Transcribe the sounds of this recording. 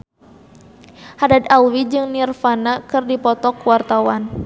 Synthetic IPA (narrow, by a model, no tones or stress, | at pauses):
hadad̪alwid͡ʒɨŋnirfanakɨrdipɔt̪ɔkwart̪awan